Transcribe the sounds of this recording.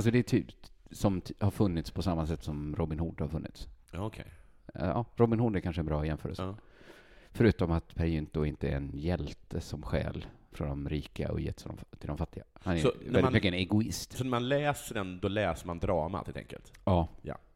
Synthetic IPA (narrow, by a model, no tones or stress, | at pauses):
als̬ɔd̪ɛːʈ̪ʰyːpsɔmhaɾfɵnːɪt̪spʰɔsamːasɛt̪ːsɔmɾɔbɪnhʊɖhaɾfɵnːɪ̰t̪saɔkʰɛ̰j | ɑ̰ːɾɔbɪnhʊɖɛɾkʰanʂəɛnbɾɑːjɛmfœːɾə̰lsə | fœɾʉ̟ːt̪ɔmat̪pʰæɾjɪnt̪ʊɪnt̪əɛ̰ɾɛnjɛlt̪əsɔmɧɛ̰ːl | fɾɔnd̪ɔmɾiːka̰ɔ̰jɛ̰ːt̪ːsd̪ɔ̰mt̪ʰɪld̪ɔmfat̪ːɪɡahanɛvɛlmɪkːəɛnɛɡʊɪst̪sɔnæmanlɛːsəɖɛnd̪ɔlɛːsəɾmand̪ɾɑːma̰hɪlt̪ʰɛ̰ŋkə̰lt̪ɑːja̰